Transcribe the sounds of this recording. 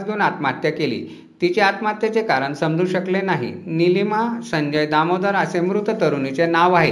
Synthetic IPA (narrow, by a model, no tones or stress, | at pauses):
t͡sɡʱeuːnat̪mat̪jəkelḭː | t̪it͡seat̪mat̪jat͡sekaɾəɳsəmd͡zʱũːɕəklenaɦḭnilimasəɲd͡ʑəjd̪amod̪əɾəsemɾut̪ət̪əɾunit͡senaʋaɦe